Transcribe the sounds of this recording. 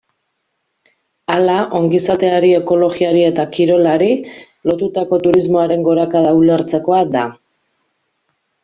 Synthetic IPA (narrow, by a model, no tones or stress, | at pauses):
alaʔo̞ŋɡisat̪e̞aɾie̞ko̞lo̞ɣiaɾie̞t̪akiɾo̞laɾi | lo̞t̪ut̪ako̞t̪uɾizmo̞aɾe̞ŋɡo̞ɾakaðauleɾt͡se̞ko̞ad̪a